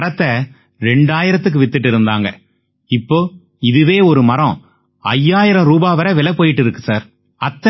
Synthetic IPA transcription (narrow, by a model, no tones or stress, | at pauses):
ɐɾɐt̪ːɐ | ɾɛɳɖaːjɪɾɐt̪ːɯk̬ːɯʋɪt̪ːɪʈ̬ːɪɾɯnd̪aːŋɡɐ | ɪpːoː | ɪðɯʋeːɔɾɯmɐɾɐ̃ | ɐjːaːjɪɾɐ̃ɾuːbaːʋɐɾɐʋɛlɐpːoːjɪʈːɪɾɯkːɯsaːɾ | ɐt̪ːɐ